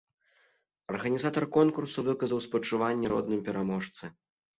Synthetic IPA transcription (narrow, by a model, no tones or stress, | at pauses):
ɐrɣɐnʲizat̪ɐrkɔnkursuvɨkɐzɐwspɐt͡ʂɨvanʲːɛɾɔ̰d̪nɨmpʲɛɾamɔʂt̪sɨ